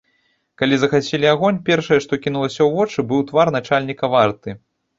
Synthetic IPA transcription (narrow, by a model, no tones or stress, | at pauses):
kalʲizɐxat͡sʲɛlʲiaɣɔnʲpʲɛrʂɐjɛʂt̪ɔkʲinulˠɐsʲɐwvɔt͡ʂɨbɨwt̪varnat͡ʂalʲnʲikɐvart̪ɨ